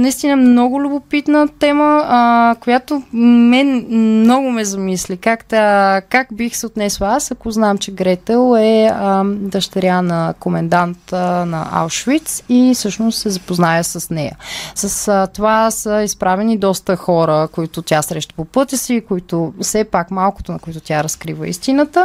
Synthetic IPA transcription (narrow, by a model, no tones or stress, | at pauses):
nɐist̪inəmnɔɡʊlʲʊbʊpit̪nət̪ɛməkojat̪omɛnmnɔɡʊmɛzɐmislikakt̪kakbixsɛot̪nɛswasɐkoznamt͡ʃɛɡɾɛt̪ɛlˠɛ | d̪ɐʃt̪ɐɾjanɐkomɛnd̪ant̪ənɐʔa̰lˠʃvit̪sifsɤʃnost̪sɛzɐpoznajəsəsnɛjə̰səsət̪ovasəispɾavɛnid̪ɔst̪əxɔɾəkoit̪ʊt̪ʲasɾɛʃt̪ə̥popɤt̪əsiːkoit̪osɛpakmalˠko̥t̪onɐkoit̪ʊt̪jaɾɐskɾivə̰ḭst̪inət̪ə